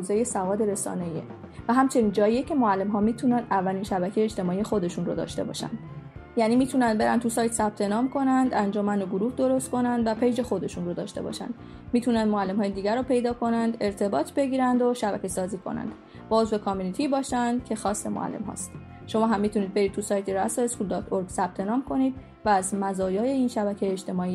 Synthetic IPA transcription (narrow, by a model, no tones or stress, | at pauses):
zejesævɒːd̪e̞ɾesɒ̰ːneiḛ | væɦæmt͡ʃʰe̞niːnd͡ʒɒːjijecʰe̞moælːe̞mɦɒːmiːt̪ʰunænd̪ævːælinʃæbæcʰejeʃt̪e̞mɒːiːjexo̞d̪e̞ʃunro̰d̪ɒ̰ːʃt̪e̞bɒ̰ːʃæ̰nd̪̥jæniːmiːt̪ʰunænd̪̚be̞ɾæ̰nt̪ʰusɒːjt̪ʰsæb̥̚t̪ʰe̞nɒːmkʰo̞nænd̪ænd͡ʒomænoɡoɾuːhd̪o̞ɾost̪̚kʰo̞nænd̪væpʰejd͡ʒe̞xo̞d̪e̞ʃunrod̪ɒ̰ːʃt̪e̞bɒ̰ʃæ̰nd̪̥ | miːt̪ʰunænd̪moælːe̞mhɒːjed̪iːɡæɾːɔːpʰe̞jd̪ɒːkʰo̞nænd̪e̞ɾt̪ʰe̞bɒːt̪ʰbe̞ɟiːɾænd̪oʃæbæ̰cʰe̞sɒːziːkʰo̰næ̰nd̪̥ | bɒozvekʰɒmunit̪ʰibɒːʃænd̪̥cʰe̞xɒːsːe̞mo̰ʔæ̰lːemɦɒ̰ːst̪ | ʃo̞mɒːɦæmːiːt̪ʰuniːd̪̚be̞ɾiːd̪t̪ʰusɒːjt̪ʰiɾæsoeskuld̪ɒːt̪ʰoɾɡsæb̥̚t̪ʰe̞nɒːmkʰo̞niːd̪̚ | væːzmæzɒːjɒːjeiːnʃæbæcʰejeːt͡ʃt̪e̞mɒːiː